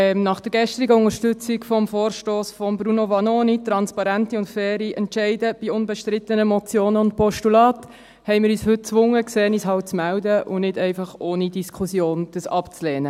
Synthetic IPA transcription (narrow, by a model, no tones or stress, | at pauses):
ɛmnɑχd̥əɾɡɛʃtɾiɡəʊŋəʃtʏt͡sikfɔmfoːɾʃtoːsfɔmbɾunovɑnoːnitɾɑnspɑɾæntiʊntfɛːɾiʔɛntʃɛɪdəb̥iʊnbɛʃtɾɪt̪ənəmɔt͡sjoːnəʊnt̚pɔʃtulɑːt | hɛɪmɪːɾyːshɵt̚t͡sʋʊŋːəkseːnishɑʊt͡smæʊdəʔʊnɪdɛɪfɑχoːnidiskʰχusjoːnd̥əsɑpt͡slɛːnə